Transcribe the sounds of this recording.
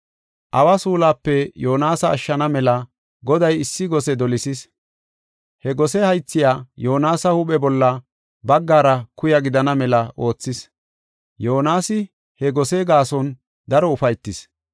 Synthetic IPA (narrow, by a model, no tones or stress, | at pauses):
ʔɐwasuːlaːpːɛjo̞ːnaːsɐ̰ːʃːɐnɐmɛlɐ | ɡɔd̪ɐjɪsːɪɡɔsɛd̪ɔlɪsɪs | hɛɡɔsɛhɐjt͡sːɪjaːjoːnaːsɐhʊɓɛbɔlːɐ | bɐɡːaːɾɐkʊjɐɡɪd̪ɐnɐmɛlɐʔo̞ːt͡sːɪs | joːnaːsɪ | hɛɡɔseːɡaːsɔn | d̪ɐɾɔʊfɐjt̪ːɪs